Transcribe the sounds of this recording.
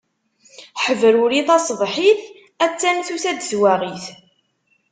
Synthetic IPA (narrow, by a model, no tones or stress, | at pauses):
ħəvɾuɾiθɑsˤðˤħiθ | æt͡sːæmθuθæd̪əzwæʁiθ